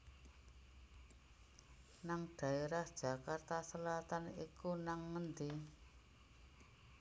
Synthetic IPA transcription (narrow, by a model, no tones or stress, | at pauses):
naŋd̪̥a̤eɾahd̥ʒ̥a̤kart̪asəlat̪anikunaŋːənd̪i